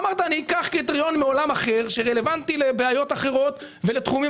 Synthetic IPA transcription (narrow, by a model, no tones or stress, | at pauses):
maʁt̪anikaχkit̪ʁio̞nmeo̞lamaχe̞ʁʃeʁele̞vant̪ilebeajo̞t̪aχe̞ʁo̞t̪ | ve̞let̪χumi